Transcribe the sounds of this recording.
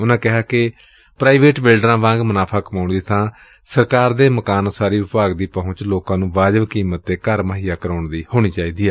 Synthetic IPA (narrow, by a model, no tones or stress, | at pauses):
ʊnãːkɪɦaːkɪ | pɾaːiʋeːʈbɪlɖɾãːʋãːŋɡmənaːpʰaːkəmaːʊɳd̪iːt̪ʰãː | səɾkaːɾd̪eːməkaːnːsaːɾiːʋɪpaːɡd̪iːpəʊ̃ɲt͡ʃloːkãːnũːʋaːd͡ʒəʋkiːmət̪̚ːeːkəɾməɦijaːkəɾaːʊɳd̪iːhoːɽ̃iːt͡ʃaːiːd̪iːɛː